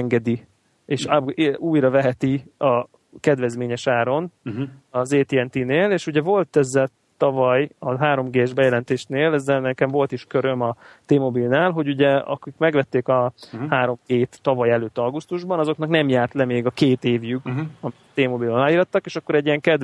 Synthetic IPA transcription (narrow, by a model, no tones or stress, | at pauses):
ŋɡɛd̪i | eːʃuːjɾɒvɛɦɛt̪iɒ | kɛd̪vɛzmeːɲɛʃaːɾo̞nɒzeːt̪iɛnt̪ineːleːʃuɟɛvo̞lt̪ɛzːɛl | t̪ɒvɒjɒɦaːɾo̞mɡeːɛʒbɛjɛlɛnt̪eːʃneːlɛzːɛlnɛkɛɱvo̞lt̪iʃkø̞ɾø̞mɒt̪eːmobilnaːlɦo̞ɟuɟɛɒ̰kikmɛɡvɛt̪ːeːkɒhaːɾo̞mɡeːt̪ːɒvɒjɛløːt̪ːɒɡust̪uʒbɒnɒzo̞kn̪ɒknɛmjaːrt̪lɛmeːɡɒkeːt̪eːvjykɒmit̪eːmobilɒaːjiːɾɒt̪ːɒkeːʃɒkːo̞ɾɛɟːijɛŋkɛd̪